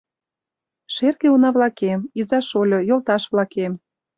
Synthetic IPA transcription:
ʃerɣeunɑβlɑkemizɑʃolʲojolt̪ɑʃβlɑkem

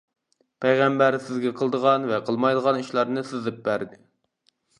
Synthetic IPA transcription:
pʰɛjʁæmbæɾsɪzɡʲɛqʰəlˠd̪əʁɑnvɛqʰəlˠmɑjd̪əʁɑniʃlˠɑɾnɨsɨzɨp̚bæɾd̪ɪ

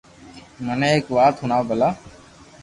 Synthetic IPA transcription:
mənẽːeːkʋaːt̪ɦʊnaːbʱəlaː

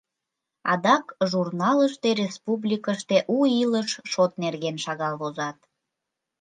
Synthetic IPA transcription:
ɑ̰d̪ɑkʒurnɑləʃt̪erʲespublʲikəʃt̪eʔuiləʃʃot̪nerɣenʃɑɣɑlβozɑt̪̚

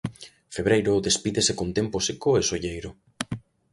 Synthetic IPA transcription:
feβɾejɾʊðespiðesekont̪emposekoesoʎejɾʊ

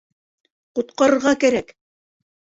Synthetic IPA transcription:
qŭt̪̚qɑɾɤ̆ɾʁɑkæɾæk

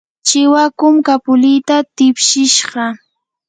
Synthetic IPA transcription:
t͡ʃɪwakʊmkapʊlɪjt̪at̪ɪpʃɪʃɢɑ

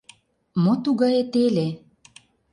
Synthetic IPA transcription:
mot̪uɣɑjet̪ele

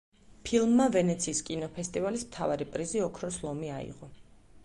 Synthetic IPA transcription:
pʰilˠmːavɛnɛt̪sʰiːskʼinɔpʰɛst̪ʼivalismt̪ʰavaɾipʼɾiziɔkʰɾɔslˠɔmiaḭʁɔ

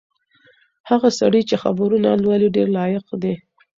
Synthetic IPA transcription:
haɣasa̰ɽəjt͡ʃexa̰bɾunalwaliɖeɾlɑjɪqd̪e

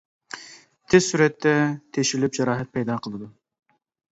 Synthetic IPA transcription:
t̪ʰɪzsuɾɛt̪ʰːɛt̪ʰeʃilɪp̚d͡ʒɛɾɑːɦɛt̪̚pʰɛjd̪ɑːqʰəlˠɨd̪u

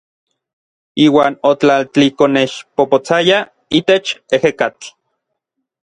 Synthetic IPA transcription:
iːwaːnot͡ɬalt͡ɬikoneʃpopot͡saja | it̪et͡ʃehekat͡ɬ

